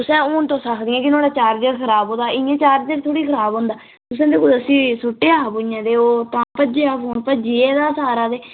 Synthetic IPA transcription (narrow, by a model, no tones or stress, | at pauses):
ʊsɛ̃ːoːnt̪õːsaːkʰd̪iːãːkɪnoːɽaːt͡ʃaːɾd͡ʒəɾkʰəɾaːbɦõːd̪aːɪãːt͡ʃaːɾd͡ʒəɾt̪ʰoːɽiːkʰəɾaːbɦõːnd̪aː | t̪ʊs̬ɛ̃ːd̪eːkod̪əsĩːsʊʈːeːaːpʊãːd̪eːoːt̪ãːpəd͡ʒeːaːfʰoːnpəd͡ʒiːeːd̪aːsaːɾaːd̪eː